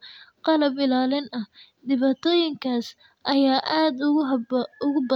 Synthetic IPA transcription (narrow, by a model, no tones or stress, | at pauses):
qɑlɐbɪlaːlɪnɐh | d̪ɪβaːt̪ʰɔːjɪŋkʰaːs | ʔɐjaːʔaːd̪ | ʊɣʊbɐ